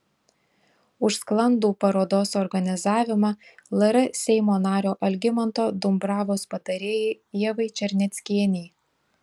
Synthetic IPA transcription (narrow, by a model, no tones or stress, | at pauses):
ʊʃsklˠɐnd̪uːpɐɾoːd̪oːsɔɾɡɐnʲɪzɑːʋʲɪmɑlˠɐɾɐsʲɛɪmoːnɑːɾʲoːʔɐlʲɡʲɪmɐnt̪oːd̪ʊmbɾɑːʋoːspɐt̪ɐɾʲeːjɛɪ | iɛʋɐɪt͡ʃʲɛɾʲnʲɛt̪sʲkʲiɛnʲɛj